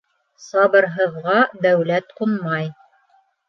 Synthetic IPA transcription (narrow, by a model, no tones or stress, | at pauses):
sɑβɤ̆ɾɦɤ̆ðʁɑd̪æwlæt̪qunmɑj